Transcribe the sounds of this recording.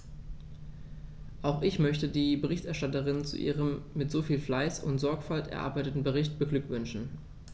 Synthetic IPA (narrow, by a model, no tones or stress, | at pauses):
ʔaʊxʔɪçmœçtədiːbəʁɪçtɛɐʃtatəʁɪnt͡sṵʔḭːʁəmːɪtz̥oːfiːlflaɪsʊ̰ntz̥ɔɐkfaltɛ̰ɐʔa̰ɐbaɪtətn̩bəʁɪçtb̥əɡlʏkv̥ʏnʃn̩